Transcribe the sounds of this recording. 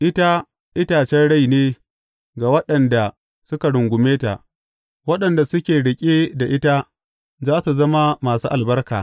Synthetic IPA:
ʔɪ˦ta˦ | ʔɪ˦taː˨t͡ʃɛ˦nɽa˦jneː˦ | ɡa˨wɐ˦ɗɐ˨nda˨ | sʊ˦ka˨ɽʊ˨ŋɡʷʊ˨meː˦ta̰˨ | wɐ˦ɗɐ˨nda˨sʊ˦kʲeː˨ɽɪ˨kʲʼe˦da˨ʔɪ˦ta˦ | zaː˦su˨zɐ˦ma˦maː˨suː˦ʔa˨lbɐ˦rkaː˨

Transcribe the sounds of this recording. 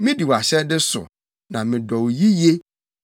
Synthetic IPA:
mɪ̃˦di˨wa˨ɕɛ˦dɪ˦sʊ̰˨ | nã˨mɪ̃˨dɔ˨wji˦je˦

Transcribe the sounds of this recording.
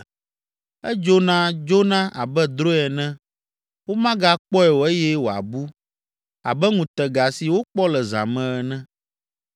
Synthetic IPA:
ɛ˦d͡ʒo˦nã˦d͡ʒo˦nã˦ʔa˨bɛ˦d̪ɾo˦ɛ˨nɛ̃˦ | wo˦mã˦ɡa˦k͡pɔ˦ɛ˨wo˨ɛ˦jɛ˦wo˨a̰˨bu˦ | a̰˨bɛ˦ŋũ˨t̪ɛ˨ɡa˨si˨wo˦k͡pɔ˦lɛ˨zã̰˨mɛ̃˦ɛ˨nɛ̃˦

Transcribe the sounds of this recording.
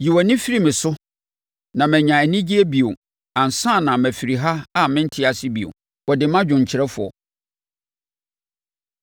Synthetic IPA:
ji˨wɔ˨nɪ̃˦fi˦ɾi˦˨mɪ̃˨sʊ˦ | nã˨mæ̃˨ɲã˨æ˨nĩ˦d͡ʑi˦e˦bi˨o˨ | ã˨n̩˨sã˦˨nã˨mæ̃˨fi˨ɾi˨ɦa˦a˦mɪ̃˦n̩˦tʰɪ˦a˨sɪ˦bi˨o̰˨ | wɔ˨dɪ˨mã˦d͡ʑᶣʊ̃˨ɲ̩˨t͡ɕʰɪ˨ɾɛ˦fʊ˨ɔ̰˨

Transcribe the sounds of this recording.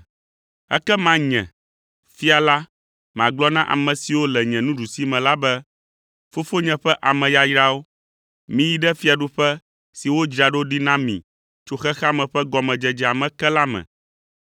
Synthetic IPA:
ɛ̰˦kɛ˦mã˦ɲɛ̰̃˨ | fi˦a˨la˦ | mã̰˨ɡ͡blɔ˦nã˦ʔa̰˨mɛ̃˨si˨wo˦lɛ˨ɲɛ̃˨nũ˦ɖu˨si˦mɛ̃˨la˦bɛ˦ | fo˦fo˦ɲɛ̃˨ɸɛ˦ʔa˨mɛ̃˨ja˦jɾa˦wo˦ | mĩ˦ji˦ɖɛ˦fi˦a˨ɖu˦ɸɛ˦ | si˨wo˦d͡ʒɾi˨a˨ɖo˦ɖi˦nã˦mḭ̃˨ | t͡ʃo˦xɛ˦xa˦mɛ̃˨ɸɛ˦ɡɔ˨mɛ̃˨d͡ʒɛ˦d͡ʒɛ˦a˨mɛ̃˨kɛ˦la˦mɛ̰̃˨

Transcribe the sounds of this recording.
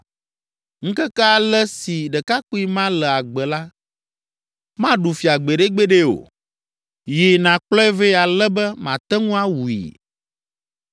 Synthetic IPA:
ŋ̩̃˦kɛ˦ka˦lɛ˦si˨ɖɛ˨ka˦ku˦i˦mã˦lɛ˨a˨ɡ͡bɛ˨la˦ | mã˦ɖu˨fi˨a˨ɡ͡be˨ɖe˦ɡ͡be˦ɖe˦o̰˨ | ji˨nã˨k͡plɔ˦ɛ˦ve˦a˨lɛ˦bɛ˦mã˨t̪ɛ˦ŋũ˦a˦wu˨ḭ˨

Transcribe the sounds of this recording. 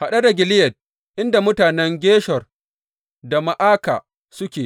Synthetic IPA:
ha˨ɗa˦da˨ɡʲɪ˨lɪ˦jɐ˨t̚ | ʔɪ˦nda˨mʊ˦taː˨nɛ˦ŋɡʲeː˦ʃɔ˨r | da˨ma˨ʔaː˦ka̰ː˨ | sʊ˦kʲeː˨

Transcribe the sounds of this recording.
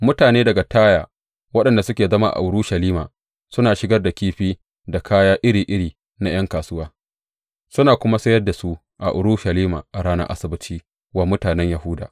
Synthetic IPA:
mʊ˦taː˨neː˦dɐ˨ɡa˨taː˦jaː˨ | wɐ˦ɗɐ˨nda˨sʊ˦kʲeː˨zɐ˦ma˦ʔa̰˨ʔʊ˨˦ɾʊ˦ʃa˨liː˦ma̰ː˨ | sʊ˦naː˨ʃɪ˦ɡɐ˦rda˨kʲiː˦ɸiː˦ | da˨kʰaː˦jaː˦ʔɪ˦ɾiː˨ʔɪ˦ɽiː˨ | na˦j̰ɐ˦ŋkaː˨sʊ˦waː˦ | sʊ˦naː˨kʷʊ˦ma˦sɐ˦jɐ˦rda˨su˦ | ʔa̰˨ʔʊ˨ɾʊ˦ʃa˨liː˦ma̰ː˨ʔa˨ɽaː˦nɐ̰˦ʔa̰˦sɪ˦bɪ˦t͡ʃiː˦ | waː˦mʊ˦taː˨nɛ˦ɲja˨hʊ˦da̰ː˨

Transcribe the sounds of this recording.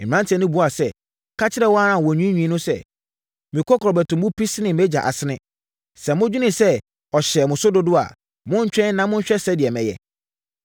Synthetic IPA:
ã˦ntʰɛ̃˨nʊ̃˦bu˦a˨sɛ˦ | kʰa˦t͡ɕʰɪ˦ɾɛ˦wɔ˦a˦ã˨wɔ˨ɲᶣĩ˦ɲᶣĩ˨˦nʊ̃˦sɛ̰˦ | mɪ̃˨kʰɔ˦kʰɔ˨ɾɔ˨bæ˨tʊ̃˨mːʊ̃˦pʰi˦snɪ̃˨mɛ˦d͡ʑa̰˨ʔa̰˨sɪ˦nɪ̃˦ | sɛ̃˨mʊ̃˦d͡ʑᶣu˦nɪ̃˨sɛ˦ | ɔ˨ɕɛ˨mʊ̃˨sʊ˦dʊ˦dʊ˦a̰˨ | mʊ̃˦ɲ̩˦t͡ɕᶣɛ̃˦n˦nã˨mʊ̃˦ɲ̩˦ɕᶣɛ˦sɛ˦dɪ˨ɛ˨mɛ̃˨jɛ̰˨

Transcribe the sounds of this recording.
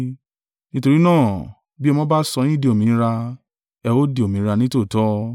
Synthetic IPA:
nĩ˦to˧ɾi˦nãː˦˨ | bi˦ɛ˧mɔ̃˦ba˦sɔ˧˦nĩ˦de˧o˨mĩ˨˧ɾa˧ | ɛ˧wo˦de˧˨o˨mĩ˨˦ɾa˧nĩ˦to˦˨tɔ˨˦

